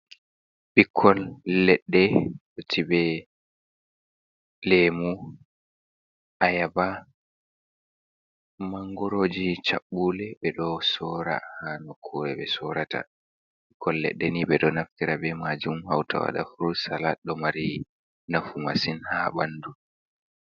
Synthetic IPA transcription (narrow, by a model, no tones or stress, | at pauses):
bikʰːɔlːɛɗːɛɗotʰibɛ | lɛmu | ʔajaba | maŋɡɔɾoːd͡ʒit͡ʃaɓːulɛɓɛɗɔsɔːɾa̰hanɔkʰːɔːɾɛɓɛsɔɾata̰ | bikʰːɔlːɛ̰ɗːɛniɓɛɗɔnaftiɾabɛmad͡ʒumha̰wtʰa̰wa̰ɗa̰fuɾusalaɗɔmaɾi | nafumasinhabandu